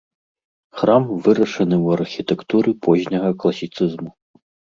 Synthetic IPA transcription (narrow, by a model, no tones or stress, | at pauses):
xramvɨɾɐʂɐnɨwɐrxʲit̪ɛkt̪uɾɨpɔzʲnʲɐɣɐklˠɐsʲit̪sɨzmu